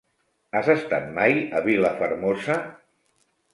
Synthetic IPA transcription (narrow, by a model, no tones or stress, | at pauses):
azəst̪a̰t̪̚majəβiləfəɾmozə